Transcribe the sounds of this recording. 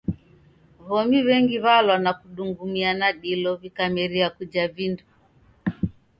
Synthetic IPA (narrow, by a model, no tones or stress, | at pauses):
βɔmiβɛŋɡiβalwanakuɗuŋɡumianaɗilɔvikamɛɾiakud͡ʒavindu